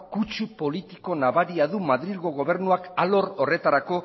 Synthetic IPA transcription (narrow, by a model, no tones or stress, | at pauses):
kut͡ʃupo̞lit̪iko̞naβaɾiaðumaðɾilɣo̞ɣ̞o̞βe̞ɾnuakalo̞ɾo̞re̞t̪aɾako̞